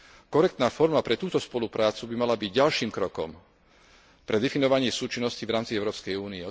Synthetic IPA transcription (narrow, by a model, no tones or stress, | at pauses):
kɔɾɛk̚t̪naːfɔɾmapɾɛt̪uːt̪ɔspɔlupɾaːt͡subimalabiɟɟalʃiːmkɾɔkɔ̰m | pɾɛd̪ɛfinɔʋaɲɪɛsuːt͡ʃinːɔscivɾaːmt͡siɛʊɾɔːpskɛjuːniɛ